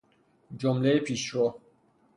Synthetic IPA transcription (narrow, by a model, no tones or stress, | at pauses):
d͡ʒɔmlepʰiʃɔ